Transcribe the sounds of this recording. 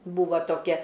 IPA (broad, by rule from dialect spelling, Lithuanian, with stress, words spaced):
ˈbuːʋɐ toːˈkʲɛ